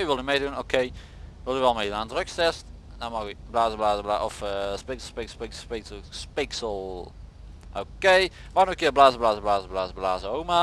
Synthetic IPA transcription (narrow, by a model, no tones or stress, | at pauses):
vɪlˠjəmeɪdunoʊkʰeɪ | wɪlˠjəwɛlˠmeɪdunandʁɪkstʰɛst | namaɡblaːzəblaːzəblaːʔɔfəspɪksspɪspɪkpɪksspɪksəlˠ | ʔo̰keɪ | manokiəblaːzəblaːzəblaːzəblaːzəblaːzəoma